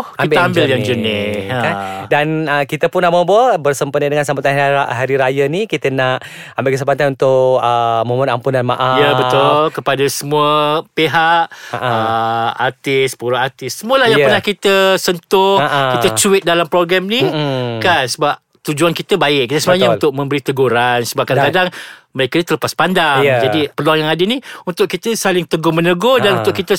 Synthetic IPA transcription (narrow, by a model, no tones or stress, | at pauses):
kaibɪəamd͡ʒbɪljaŋd͡ʒənɪkadanəkit̪əpʊnːaʔməbəbərsəmpənədəŋans̬amat̪anaɦaɾiɾajənikit̪ənaʔ | ambɪlkəs̬əpat̪̬anunt̪ʊʔəmõmənampundanma̰ʔajəbət̪ʊlkəpadasəmuəpeɦaʔaʔaəat̪ɪspuɾaʔat̪ɪsːəmuəlahjaŋpərnahkit̪əsənt̪ʊhkit̪ət͡ʃuɪt̪̚dalampɾoɡɾamnikansəbap̚ | t̪ud͡ʒuankit̪əbaɪʔk̚kːit̪əsəmaɲant̪ʊk̚mə̃mbəɾit̪əɡoɾansəbap̚kadaakadaŋməɾekanit̪ələpaspandaŋd͡ʒadipərluaŋjaŋadəniunt̪ʊʔ̚kit̪əsalɪŋt̪əɡʊmə̃nəɡodanunt̪ʊʔkit̪ə